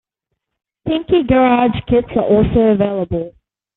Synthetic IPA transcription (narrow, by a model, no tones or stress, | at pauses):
pʰɪ̃ŋkiɡəɹɑʒ̥kʰɪtsəɹʔɔˑlˠsəʊəveɪlˠəbəlˠ